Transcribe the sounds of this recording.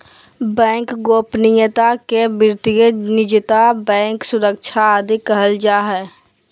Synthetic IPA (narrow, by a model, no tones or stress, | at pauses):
bɛ̃ːŋkɡoːpnijət̪akebɪɾt̪ijənɪd͡ʒɪt̪abɛ̃ːŋksʊɾək̚t͡ʃʰad̪ɪkəɦəld͡ʒaːɦɛː